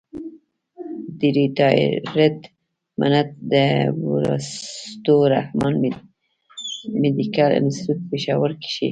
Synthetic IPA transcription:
d̪iɾit̪ɑj̰ɾet̪ | mʔa̰nat̪̚d̪əbuɾa̰st̪oɾa̰hmɑn | med̪ikalɪ̰nst̪ut̪̚peʃɑwəɾki̥ʃḭ

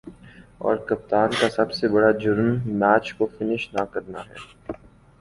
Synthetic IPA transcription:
ɔ̰ːɾkɐp̚t̪aːnkasɐbsebɐɽad͡ʒʊɾmːɛːt͡ʃkofɪnɪʃnakɐɾnaɦɛ̰ː

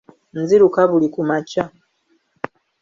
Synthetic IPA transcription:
nziɾukaβulikumaca

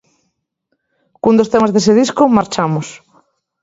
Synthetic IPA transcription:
kund̪ost̪emazðeseð̞iskʊmaɾt͡ʃamʊs

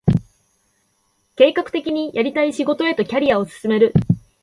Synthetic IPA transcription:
ke̞ːkakɯ̟̥t̪e̞kʲiɲ̟ijʔaɾʲit̪aiɕiɡo̞t̪o̞e̞t̪o̞kʲaɾʲiao̞sɨ̥sɨme̞ɾɯ̟

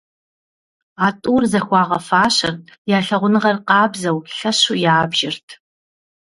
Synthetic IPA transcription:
aːtʼuːrzɐxʷɑːʁɐfaːɕɐrjaːɬɐʁʷʊnɨʁɐrqɑːbzɐwɬɐɕujaːbʒɪrtʰ

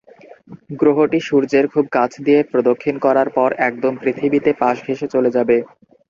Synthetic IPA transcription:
ɡɾoɦoʈiʃuɾd͡ʑeɾkʰub̚kat͡ɕʰd̪ijepɾod̪okʰːinkɔɾaɾpɔɾɛk̚d̪ompɾit̪ʰibit̪epaʃɡʱeʃet͡ɕoled͡ʑabe

